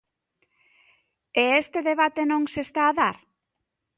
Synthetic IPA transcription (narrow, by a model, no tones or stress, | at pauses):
eest̪eðeβ̞at̪enõŋsest̪aːðaɾ